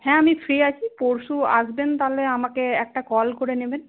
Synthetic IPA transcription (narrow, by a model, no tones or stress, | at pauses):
hɛ̃amifʰɹiat͡ɕʰipoɹsua̰zbent̪aleamakeɛk̚ʈakɔlkoɹeneben